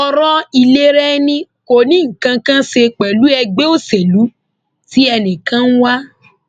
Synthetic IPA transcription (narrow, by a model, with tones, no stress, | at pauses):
ɔ˧ɾɔ˦i˧le˦ɾɛ˦nĩ˧ko˨nĩ˨˦ŋ̩˨kã˧kã˦se˧k͡pɛ˨lu˨˦ɛ˧ɡ͡be˦o˦se˨lu˨˦ | ti˦ɛ˧nĩ˨kã˦n̩˦wa˦